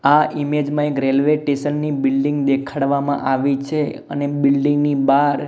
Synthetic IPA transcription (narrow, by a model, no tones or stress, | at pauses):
aʔimed͡ʒmãekɾelʋeʈeʃənːibɪlɖiŋɡd̪ekʰaɽʋamã̰ʔaʋit͡ʃʰe | ə̰nebɪlɖĩŋɡnibaɾ